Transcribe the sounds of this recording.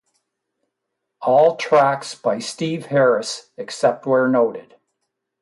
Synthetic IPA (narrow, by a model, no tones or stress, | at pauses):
ɔlˠtʰɹ̥æksb̥aɪstiv̥hɛɹɨsɨksɛp̚t̚wə˞noʊɾɪd̥